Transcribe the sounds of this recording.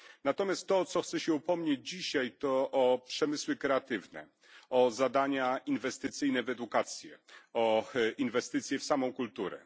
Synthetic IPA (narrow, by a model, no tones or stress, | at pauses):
nat̪ɔmʲjast̪ːɔt̪sɔxt̪sɛɕɛupɔmɲed͡ʑd͡ʑiɕajt̪ɔʔɔpʂɛmɘswɘkɾɛat̪ɘvnɛ̰ | ɔzad̪aɲainvɛst̪ɘt̪sɘjnɛvɛd̪ukat̪sʲjɛɔinvɛst̪ɘt̪sʲjɛfsamɔ̃w̃kult̪uɾɛ̰